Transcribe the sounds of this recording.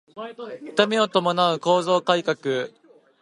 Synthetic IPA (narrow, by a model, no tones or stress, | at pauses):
ɯ̥t̪amʲio̞t̪o̞mo̞naɯ̟ko̞ːzo̞ːkaikakɯ̟